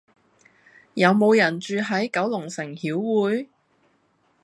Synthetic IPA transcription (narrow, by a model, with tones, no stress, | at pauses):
jɐ˨˧wmo˨˧wjɐ˨˩nt͡ʃyː˨˧ɦɐ˨˥jkɐ˨˥wlʊ˨˩ŋsɪ˨˩ŋhiː˨˥wːuː˨˥j